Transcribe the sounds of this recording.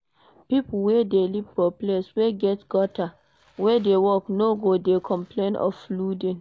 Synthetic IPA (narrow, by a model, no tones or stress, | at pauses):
pipuwedelipfɔplesweɡɛtɡ̥ɔta | wedewɔknoɡodekʰɔ̃mplẽnɔ̰fludẽn